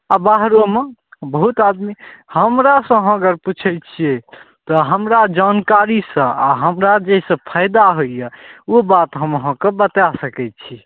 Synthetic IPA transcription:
abaɦɾomebəɦut̪ad̪mihəmɾasə̃əɦəɡəɾput͡ʃʰɛt͡ʃʰije | t̪ɔɦəmɾad͡ʒankaɾisə̃aɦəmɾad͡ʒeisə̃pʰajd̪aɦoijəobat̪ɦəməɦə̃kebət̪asəkɛt̪̚t͡ʃʰi

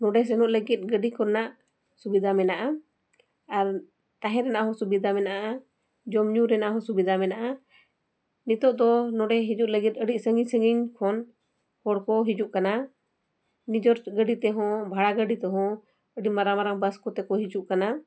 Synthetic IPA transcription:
nɔɖɛs̬ɛnɔʔləɡit̪̚ˀɡəɖikɔnːaʔ | subid̪ʱamɛnaʔa | aɾ | t̪aɦɛ̃ɾɛnaʔɦɔ̃subid̪ʱamɛnaʔa | d͡ʒɔmɲuɾɛnaʔɦɔ̃subid̪ʱamɛnaʔa | nit̪ɔʔd̪ɔnɔɖɛɦid͡ʒuʔləɡit̪̚ˀəɽiʔsəŋiɲsəŋiɲkʰɔn | hɔɽkɔɦid͡ʒuʔkana | nid͡ʒɔɾɡəɖit̪ɛɦɔ̃bʱaɽaɡəɖit̪ɛɦɔ̃ | əɖimaɾamaɾaŋbəskɔt̪ɛkɔɦid͡ʒuʔkana

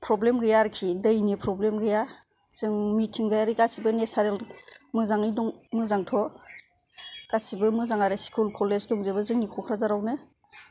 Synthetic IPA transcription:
pʰɾɔblemɡɯjaɾkʰidɯjnipʰɾɔblemɡɯja | z̥ɯŋmitʰiŋɡajaɾikasibɯnesaɾelmɯzaŋijduŋmɯzaŋtʰɔ | kasibɯmɯzaŋaɾɯskʰulkʰɔlezdɔŋzebɯzɯŋnikʰɔkʰɾazaɾawnɯ

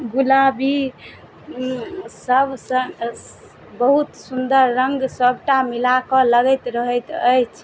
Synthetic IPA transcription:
ɡulabi | səbʱsə̃ | bəɦut̪sund̪əɾːə̃ŋɡsəb̚ʱʈamilakɔləɡɛjt̪ɾəɦəjt̪əjt͡ʃʰ

